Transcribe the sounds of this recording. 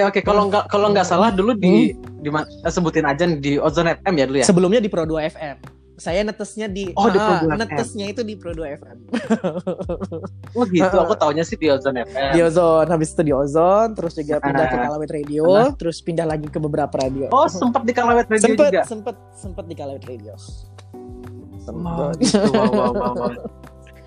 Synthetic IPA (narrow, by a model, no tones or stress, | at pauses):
okekaloɡakaloŋɡaʔsalahduludidimasəbut̪ɪnad͡ʒandiozɔnɛfɛmjadulujasəbəlʊmɲadipɾoduaɛfɛm | sajanət̪əsɲadiɔhiəouanətɛəsɲait̪udipɾoduaɛfɛm | wəɡiət̪uakut̪auɲasɪhdiozɔnɛfɛdiozɔnhabɪsi̥t̪udiozɔnt̪əɾʊsd͡ʒuɡapindahkəkalawɪt̪rediot̪əɾʊspindahlaɡikəbəbəɾapaɾadioɔhsəmpət̪̚dikalawɪt̪̚ɾedsəod͡ʒpətuɡasəmpət̪̚səmpət̪̚dikalawɪt̪redios | səmət̪